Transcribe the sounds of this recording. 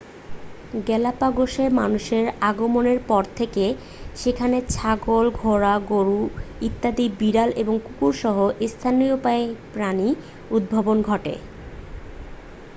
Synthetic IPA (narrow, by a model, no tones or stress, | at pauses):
ɡɛlapaɡoʃeɾmanuʃeɾaɡomoneɾpɔɾt̪ʰeke | ʃekʰanet͡ɕʰaɡolɡʱoɾaɡoɾuit̪ːad̪ibiɾaleboŋkukuɾʃɔɦoʔist̪ʰaniopaepɾani | ud̪̚bʱabonɡʱɔʈḛ